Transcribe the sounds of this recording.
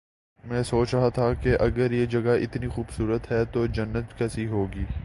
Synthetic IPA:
mɛ̃ːsoːt͡ʃɾɐɦat̪ʰakeʔɐɡəɾjed͡ʒɐɡaɪt̪nixuːbsuːɾət̪ɦɛt̪od͡ʒɐnːət̪kɛːsiɦoːɡiː

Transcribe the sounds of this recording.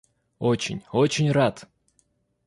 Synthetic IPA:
ot͡ɕɪ̰nʲot͡ɕɪnʲrat̪

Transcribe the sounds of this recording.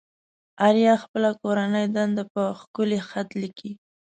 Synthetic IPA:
aɾjɑxpəlakoɾanəjd̪and̪apəxkʊlexat̪liki

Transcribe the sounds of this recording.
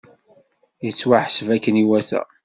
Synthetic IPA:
jət͡sːwaħsəvækːəniwæθæ̰

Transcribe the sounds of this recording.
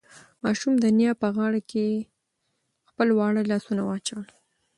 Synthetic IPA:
mɑʃumd̪ənjɑpəɣɑɽakʰe | xpəlwɑɽəlɑsunawəat͡ʃawəl

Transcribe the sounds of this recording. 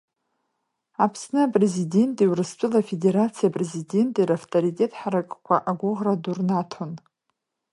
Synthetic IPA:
apʰsnɨapʼre̞zide̞ntʼiwrɨst͡ʃʷʼʊlafe̞de̞ɾat͡sʰijapʼre̞zide̞ntʼiɾaftʰʼoɾitʼe̞tʼħaɾakʼkʷʰa̰ʔaɡʷʊʁradurnatʰon

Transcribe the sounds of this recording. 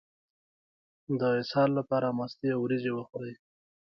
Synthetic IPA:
d̪əɪsɑlːapɑɾamast̪eawɾizewəxɽaj

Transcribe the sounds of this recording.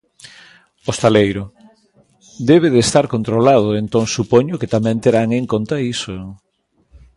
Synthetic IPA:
ost̪alejɾo | d̪eβ̞eðest̪aɾkont̪ɾolað̞ʊent̪oŋsupoɲʊket̪amɛ̃nt̪eɾaŋeŋkont̪aiso

